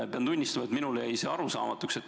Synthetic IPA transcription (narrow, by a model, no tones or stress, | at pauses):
peɑnd̪unʲːisst̪ɑmɑet̪minuleejseːɑɾusɑ̰ːmɑt̪ːˑukse̞t̪ː